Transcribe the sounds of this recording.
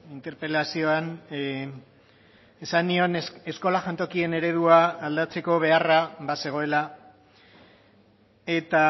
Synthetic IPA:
int̪e̞ɾpe̞lasio̞an | esanio̞ne̞sko̞laʝant̪o̞kie̞ne̞ɾe̞ðuaːld̪at͡se̞ko̞β̞e̞araβase̞ɣ̞o̞e̞la | e̞t̪a

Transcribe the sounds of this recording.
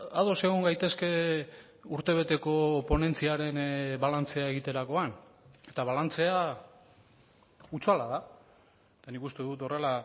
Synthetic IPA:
aðo̞se̞ɣ̞oŋɡajt̪e̞ske̞ | uɾt̪e̞β̞e̞t̪e̞ko̞po̞ne̞nt͡siaɾe̞nβalant͡se̞ae̞ɣ̞it̪e̞ɾako̞ane̞t̪aβ̞alant͡se̞a | ut͡salaða | et̪anikust̪eðut̪o̞re̞la

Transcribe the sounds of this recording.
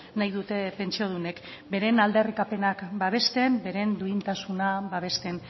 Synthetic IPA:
najðut̪e̞pe̞nt͡sioð̞une̞kbe̞ɾe̞nald̪e̞rikape̞nakbaβ̞e̞st̪e̞mbe̞ɾe̞nd̪uint̪asunabaβ̞e̞st̪e̞n

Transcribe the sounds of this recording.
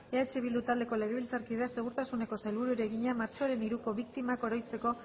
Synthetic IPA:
e̞at͡ʃe̞βild̪ut̪ald̪e̞ko̞le̞ɣe̞βilt͡saɾkið̞ease̞ɣuɾt̪asune̞ko̞sajlβuɾuɾe̞ɣiɲamaɾt͡ʃo̞aɾe̞niɾuko̞βik̚t̪imako̞ɾo̞jt͡se̞ko̞

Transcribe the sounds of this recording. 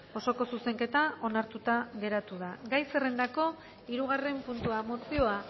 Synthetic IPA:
o̞so̞ko̞suse̞ŋke̞t̪ao̞naɾt̪ut̪aɣe̞ɾat̪uðaɡajse̞re̞nd̪ako̞ | iɾuɣare̞mpunt̪uamo̞sio̞a

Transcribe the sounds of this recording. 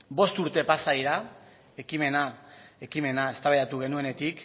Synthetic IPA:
bo̞st̪uɾt̪e̞pasaiɾa | e̞kime̞nae̞kime̞nae̞st̪aβeat̪uɣ̞e̞nue̞ne̞t̪ik

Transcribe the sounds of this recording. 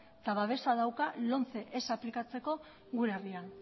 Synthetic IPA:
t̪aβaβ̞e̞saðawkalo̞nt͡se̞ʔesaplikat͡se̞ko̞ | ɣuɾerian

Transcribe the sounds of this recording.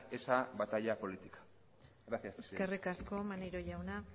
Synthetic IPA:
esabat̪aʎapo̞lit̪ikḁ | ɣɾasiaeske̞rikasko̞maneɾo̞ʝawna

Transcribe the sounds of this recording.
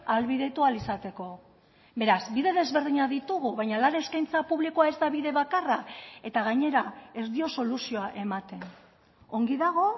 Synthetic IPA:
alβiðe̞t̪ualisat̪e̞ko̞ | be̞ɾazbiðe̞ðe̞zβe̞ɾðiɲaðit̪uɣ̞uβajɲalaɾeeskajnt͡sapuβlikoae̞zd̪aβiðe̞βakarae̞t̪aɣ̞aɲe̞ɾae̞zd̪io̞so̞lusio̞aʔe̞mat̪e̞n | o̞ŋɡiðaɣ̞o̞

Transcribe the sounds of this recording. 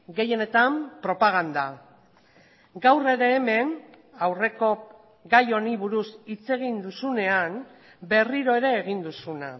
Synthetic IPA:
ɡe̞je̞ne̞t̪ampɾo̞paɣ̞and̪a | ɡawre̞ɾe̞ːme̞n | awre̞ko̞ | ɡajo̞niβuɾusit͡se̞ɣ̞ind̪usune̞an | be̞riɾo̞e̞ɾe̞ːɣ̞ind̪usuna

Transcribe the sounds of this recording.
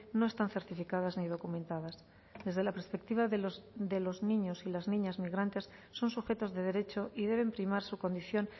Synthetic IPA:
no̞e̞st̪anθe̞ɾt̪ifikaðaznið̞o̞kumẽ̞nt̪aðas | ðe̞zð̞e̞lapeɾspe̞k̚t̪iβaðd̪e̞lo̞znĩɲo̞silaznĩɲazmiɣɾant̪e̞sːo̞nsuxe̞t̪o̞zðe̞ðe̞ɾe̞t͡ʃo̞ʔiðe̞β̞e̞mpɾimaɾsuko̞nd̪iθjo̞n

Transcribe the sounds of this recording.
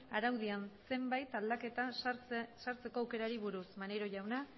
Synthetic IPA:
aɾawð̞ianse̞mbajt̪ald̪ake̞t̪a | saɾt͡se̞ko̞awke̞ɾaɾiβuɾusmane̞ɾo̞ʝawna

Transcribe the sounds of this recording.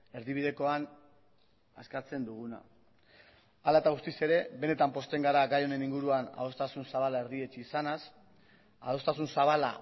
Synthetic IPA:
e̞ɾðiβ̞iðe̞ko̞an | a̰skat͡se̞nd̪uɣ̞una̰ | alae̞t̪aɣ̞ust̪ise̞ɾe̞βe̞ne̞t̪ampo̞st̪e̞ŋɡaɾaɡajo̞ne̞niŋɡuɾuana̰o̞st̪asunsaβalae̞ɾðie̞t͡ʃiːsanas | aðo̞st̪asunsaβala̰

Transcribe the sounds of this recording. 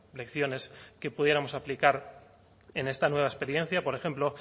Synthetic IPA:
le̞kθjo̞ne̞ske̞puðje̞ɾamo̞saplikaɾ | e̞ne̞st̪anwe̞β̞aespe̞ɾjẽ̞n̟θjapo̞ɾe̞xe̞mplo̞

